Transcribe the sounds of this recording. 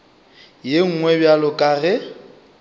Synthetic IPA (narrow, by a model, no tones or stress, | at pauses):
jeŋ̩ŋwɛbjalʊkʼaːrɛ